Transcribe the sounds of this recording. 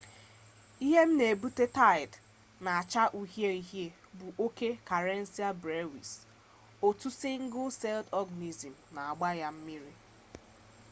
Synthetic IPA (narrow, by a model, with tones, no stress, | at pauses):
i˦ɦe˦m̩˦ne˨bu˦te˦ta˦ɪ˨d | na˨a˨t͡ʃa˦ʔu˦ɦje˦i˦ɦje˦ | bʊ˨ʔo˦ke˦ka˨ɾe˦n̩˦si˦a˦bɾe˦wi˨s | o˨tu˦sɪ˦ŋ̩˦ɡʊ˦se˦ldɔ˦ɡa˨ni˨zi˨m̩˨na˨a˨ɡ͡ba˦ja˦m̩˦mi˦ɾi˦